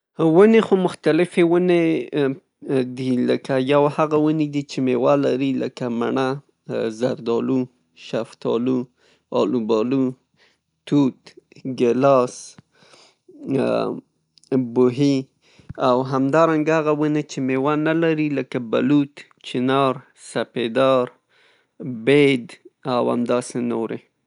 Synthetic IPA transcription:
wənexomʊxt̪alɪfewəne | d̪iləkajawhaɣawəned̪it͡ʃemewalaɾilə̰kama̰ɳa | zaɾd̪ɑlu | ʃaft̪ɑ̰lu | ɑlubɑlu | t̪ut̪ɡɪlɑs | bʊɦi | awɦamd̪ɑɾaŋɡaaɣawunat͡ʃemewanalaɾiləkaba̰lut̪ | t͡ʃɪnɑɾ | saped̪ɑɾ | bed̪awa̰md̪ɑsenoɾḛ

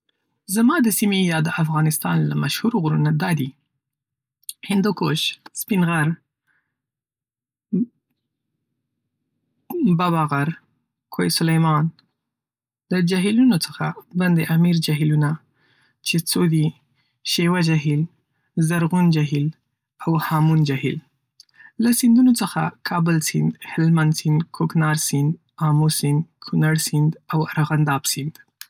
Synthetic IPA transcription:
zamɑd̪əsimejɑd̪əʔafɣɑnɪst̪ɑnla̰maʃhuɾoɣuɾunad̪ɑd̪i | hɪnd̪ukoʃspinɣaɾ | baβɑɣaɾ | kʰojsʊlajmɑn | d̪əd͡ʒaɦilunot͡səxa̰band̪eʔamiɾd͡ʒaɦiluna | t͡ʃet͡sod̪i | ʃewad͡ʒaɦil | zaɾɣund͡ʒaɦil | awhɑmund͡ʒaɦḭl | lasɪnd̪unot͡səxa̰kʰɑbəlsɪnd̪hɪlmansɪnd̪kʰoknɑɾsɪnd̪ | ɑmosɪnd̪kʰunaɽsɪnd̪awaɾaɣand̪ɑbsɪnd̪

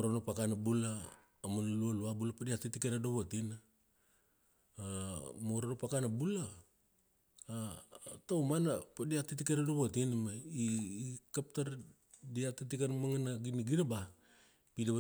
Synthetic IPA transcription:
oɾanopakanabulaː | manalualuabulapadiatitikeɾadoβotina | moɾanopakanabula | tawmanapadiatitikeɾadoβotinamaikap̚taɾ | diatitikanmaŋanaɡiniɡiɾaba | pidaβ

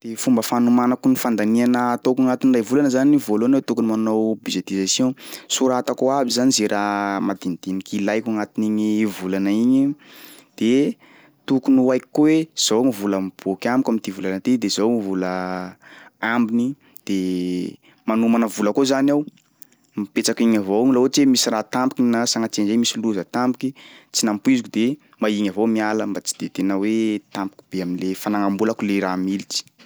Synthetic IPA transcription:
d̪̥efumbəfanumanakunifand̪anianət̪okaŋat̪inrajvulanəzaniivolonawt̪ukunimannowbid͡ʒet̪izasjõsuɾat̪akoabizanizeɾʔamad̪ind̪̥inikilajkʲaŋat̪iniɲivulanaiɲid̪̥e | t̪ukunuajki̥kowez̥owŋivuləmib̥okʲamikamit̪ivulanət̪id̪ezowmivulə | ambini | d̪̥e | manumanəvuləkozanaw | mipet͡sakiɲavowŋilaot͡ʃemisirat̪ampikinasaŋat͡send͡ʒemisiluzət̪ampi̥kit͡sinampuizikʲud̪e | maiŋavomialəmbat͡si̥d̪̥et̪enawet̪ampi̥kʲi̥b̥eaminlefanaŋambulakuleɾamilit͡ʃi̥

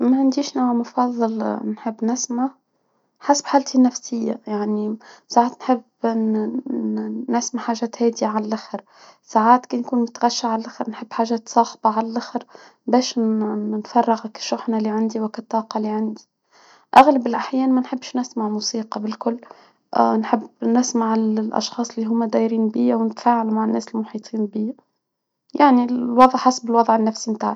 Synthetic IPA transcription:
maʕɪnd̪iːʃnamʊfɑðˤːɨlnħɪbːnɪsmaʕ | ħasḁb̥ħaːlt̪ʰinːafsɪjːa̰jaʕnisaʕaːt̪nħɪbː | ɪsmaħaːʒæːt̪hæːd̪iaʕalalʔaxɪɾ | saːʕaːt̪keːnkuːnmʊt̪aɣaʃːaʕalalʔaxɾnħɪbːħaːʒæːt̪sˤɑːxbɑʕalalʔaxɾ | bɛːʃnfɑrˤːɑɣkḁʃːʊħnalːiʕand̪iwɪkat̪ˤːɑːqɑlːiʕand̪i̥ | ʔaɣlabɪlʔaħjæːnmænħɪbːʃnɪsmaʕmuːsiːqɑbɪlkʊlː | nħɪbːnɪsmaʕɪllʔɑ̰ʃxɑːsˤɪlːiɦʊmːad̪æːjɾiːnbiːawnɪt̪faːʕalmaʕanːæːsɪlmʊħiːt̪ˤʰiːnbiːa | jaʕnilwɑðˤʕħasbɪlwɑd̪ðˤʕɪnːafsimt̪a̰ːʕa

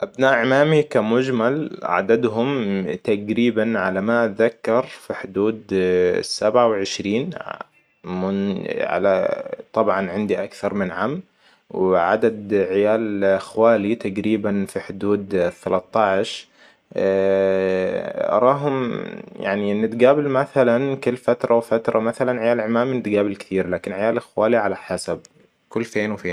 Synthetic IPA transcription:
ʔabnaːʔʕɪmaːmikamʊd͡ʒmalʕa̰d̪ad̪ɦʊmt̪aɡɾiːbanʕalamaðakːɑɾˤfiħʊd̪uːd̪sːabʕawɪʕɪʃɾiːn | mʊnʕa̰lat̪ˤɑbʕɑnʕɪnd̪iʔakθɑɾˤmɪnʕaːm | wɪʕa̰d̪ad̪ʕɪjaːlxwaːlit̪aɡɾiːbanfiħʊd̪uːd̪θːalɑt̪ˤːɑʕɪʃ | ʔɑ̰ɾˤɑːɦʊmja̰ʕniʔnːɪt̪ɡaːbɪlmaθalankʊlːfat̪ɾˤɑwfat̪ɾˤɑmaθalanʕɪjaːlʕɪmaːminɪt̪ɡaːbɪlkɪ̥t̪iːɾlaːkɪnʕɪjaːlɪxwaːliʕalaħasab̚ | kʊlːfeːnwɪfeːn

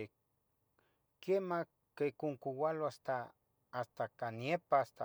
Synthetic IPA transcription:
kema | kekoŋkuwaloast̪a | ast̪akaniepaast̪a

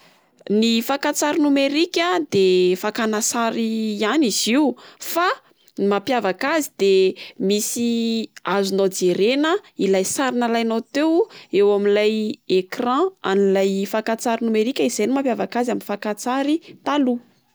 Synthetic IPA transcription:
nifakat͡saɾinumeɾikʲəd̪efakanasaɾianiz̥iwfa | mapjavakazid̪emisiazunod͡zeɾenəilajsaɾinalajnot̪ewewaminlajekrãa̰nilajfakat͡saɾinumeɾikʲəizajnimapjavakazaminifakat͡saɾit̪alu

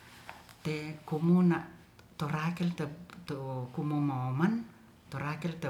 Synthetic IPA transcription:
t̪ekumunaʔ | t̪oɾakilt̪et̪ukumumaoman | t̪oɾakilt̪e

